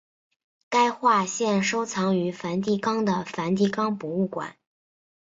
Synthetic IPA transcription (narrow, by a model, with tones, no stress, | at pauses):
ka˥ɪxwa˥˧ɕjɛ˥˩nʂo˥ʊt͡sʰɑ˧˥ŋy˧˥fa˧˥nt̪̬i˥˩kɑ˥ŋd̪ə˨fa˧˥nt̪̬i˥˩kɑ˥ŋpu˧˥u˥˩kwa̰˨˩˦n